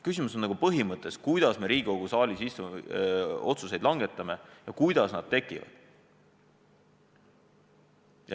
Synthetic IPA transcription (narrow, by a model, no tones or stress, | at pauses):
kysʲimusonːɑɡupɤɦimɤt̪ˑːe̞skujd̪̥ɑsme̞ɾiːɡ̥ikoɡ̥usɑːlʲisist̪u | o̞t̪sus̬e̞jd̪lɑŋɡe̞t̪ːˑɑme̞jɑkujd̪ɑsnɑd̪̥̚t̪e̞kːˑivɑ̰d̪̥